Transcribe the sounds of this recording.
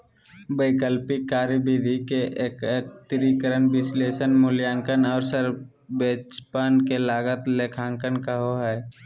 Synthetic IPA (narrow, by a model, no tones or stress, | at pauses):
bəɪkəlpikːaːɾjəbid̪ʱikeʔeːkek̚t̪ɪɾikəɾənbɪsleːʃənmʊljaːŋkənɔːɾsəɾ | beːt͡ʃpənkelaːɡət̪leːkʰãːŋkənkəɦoɦɛː